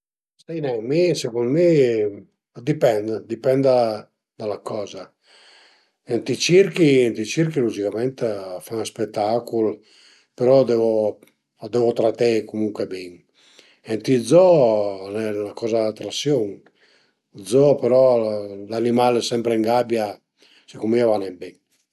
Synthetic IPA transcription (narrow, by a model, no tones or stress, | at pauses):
sinɛmisekund̪me | d̪ipɛnd̪d̪ipɛnd̪a | d̪alakɔːza | ent̪it͡ʃiɾkint̪it͡ʃiɾkilud͡ʒikamɛnt̪faspɛt̪ːakul | peɾɔd̪ɛvo | d̪ɛvot̪ɾat̪ekumuŋkwebiŋ | ent̪izɔnɛlakɔzadat̪ɾasjoŋ | d̪zɔpeɾɔlanimalɛsɛmpɾeŋɡabja | sikumiavanɛmbɛ